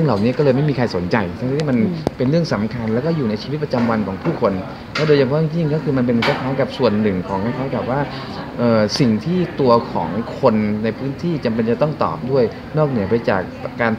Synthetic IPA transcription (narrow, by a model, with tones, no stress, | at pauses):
əlaː˨˩wni˦˥kɔː˥˩lɤː˧jma˥˩jmiː˧kʰa˧jso˩˦nt͡ɕa˧jsʰa˧˩ŋʰa˦˥t̪ʰːi˥˩ma˧npe˧nɾɯ˥˩əŋsa˩˦mkʰa˧nlɛ˦˥wkɔː˥˩juː˨˩na˧jt͡ɕʰi˧i˦t̪̚pa˧t͡ɕa˧mwa˧nkʰɔː˩˦ŋpʰuː˥˩kʰo˧n | lʰɛ˦˥doː˧jt͡ɕa˧ŋʰpʰːjŋji˥˩ŋkɔː˥˩kʰɯː˧ma˧np̬e˧nkʰa˦˥˩k̪ʰaː˦˥ka˨˩p̚su˨˩ənːɯ˨˩ŋkʰɔː˩˦ŋkaː˧nt̪ʰaː˦˥˩kɛː˨˩p̚waː˥˩ | ʔɤː˨˩si˨˩ŋt̪ʰiː˥˩t̪u˧ɐkʰɔ̰ː˩˦ŋkʰo˧nːa˧jpʰɯː˦˥nt̪ʰiː˥˩t͡ɕa˨˩mp̬e˧nt͡ɕa˨˩t̪ɔ˥˩ŋt̪ɔ̰ː˨˩p̚du˥˩əj | nɔː˥˩k̚nɯ˩˦ɐpa˧jt͡ɕa̰ː˨˩k̚ː | aː˧n